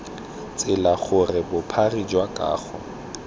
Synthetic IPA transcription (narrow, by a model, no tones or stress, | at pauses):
t͡sʼɪlaχʊrɪbʊpʰarid͡ʒwakʼa̰ːχʊ